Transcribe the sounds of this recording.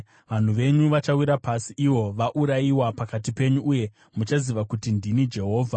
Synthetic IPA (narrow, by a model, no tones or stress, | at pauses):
ʋan̤uʋe̞ɲuʋat͡ʃawiɾapasiʔiwo̞ʋaʔuɾaiwapakat̬ipe̞ɲuʔːje̞ | mut͡ʃaziʋakutindinid͡ʒe̞ɦo̞ːvʱa